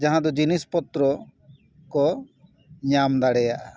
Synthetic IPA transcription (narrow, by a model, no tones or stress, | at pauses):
d͡ʒaɦãd̪ɔd͡ʒinispɔt̪ɾɔ | kɔ | ɲamd̪aɽɛjaʔa